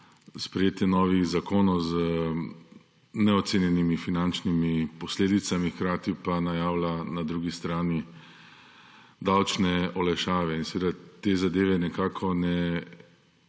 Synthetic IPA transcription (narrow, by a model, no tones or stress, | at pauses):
spɾɛjeːt̪jɛnɔːʋiɣzakoːnɔwzə | nɛɔt̪senjɛnimifinant͡ʃnimipɔsleːd̪it̪samixkɾaːt̪ipanajaːwlanad̪ɾuːɡist̪ɾaːni | d̪awt͡ʃnɛɔlɛʃaːʋɛinsʋeːd̪at̪eːzad̪eːʋɛnɛkaːkʰɔnɛ